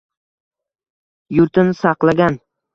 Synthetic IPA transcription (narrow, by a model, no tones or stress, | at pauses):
jʊɾt̪ʰɪnɪsɑqlˠaɡʲan